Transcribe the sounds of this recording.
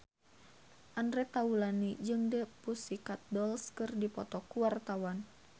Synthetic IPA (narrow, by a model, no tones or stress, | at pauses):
ʔandɾɛt̪aulanid͡ʒɨŋdɛpusikat̪̚dɔlskɨrdipɔ̰t̪ɔkuwart̪awan